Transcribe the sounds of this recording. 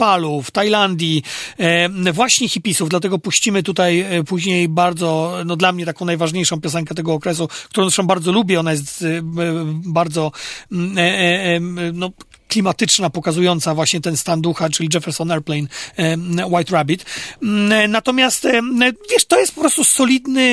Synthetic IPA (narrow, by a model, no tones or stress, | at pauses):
paluft̪ajland̪ʲji | vwaɕɲɛxʲipʲisuvd̪lat̪ɛɡɔpuɕt͡ɕimɘt̪ut̪ajpuʑɲejbaɾd̪zɔnɔd̪lamɲɛt̪akɔ̃w̃najvaʐɲejʂɔ̃w̃pʲjɔsɛŋk̬ɛt̪ɛɡɔːkɾɛs̬uk̚t̪uɾɔ̃w̪̃vʂɔ̃m̃baɾd̪zɔlubʲjɛɔnajɛs̬t̪ | baɾd̪zɔ | nɔ | klʲimat̪ɘt͡ʂnapɔkazujɔnt̪savwaɕɲɛt̪ɛnst̪and̪uxat͡ʂɘlʲid͡ʒʐɛfɛɾsɔnɛɾplɛjn | wajt̪ɾabʲit̪ | nat̪ɔmʲjast̪vʲjɛʂt̪ɔjɛst̪pɔ̥pɾɔst̪usɔlʲid̪nɘ